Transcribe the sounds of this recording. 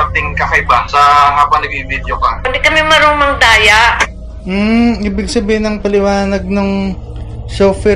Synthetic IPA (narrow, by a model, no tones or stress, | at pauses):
at̪ɪŋkɐkɐjbaŋsɐɦaːbɐnɐɡ̚ibid̪jokɐɐd̪ikɐmɛmɐɾoːmɐŋd̪aːjaʔ | m̩ːiːbɪɡsɐbiːhɪnɐŋpɐlɪwaːnɐɡ̚noŋ | ʃoːfɛ